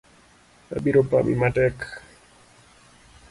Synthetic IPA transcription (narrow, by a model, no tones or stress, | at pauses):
a̰biɾopa̰mḭmatek